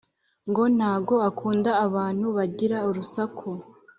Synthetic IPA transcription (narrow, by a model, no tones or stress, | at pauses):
ŋɡo̞n̥haːbɡo̞akʰuːndaːβaːn̥huβaɟiɾauɾusakʰo